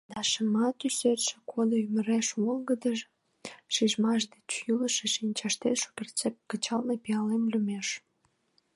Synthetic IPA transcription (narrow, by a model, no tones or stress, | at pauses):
d̪ɑʃəmɑt̪yserʃĕ̥kʰod̪oyməɾeʃolɡəd̪əʒ | ʃiʒmɑʃ̬d̪et͡ɕjyləʃeʃinʲt͡ɕɑʃt̪et̪ʃo̥kert͡sep̚kət͡ɕɑlnepijɑlemlʲymeʃ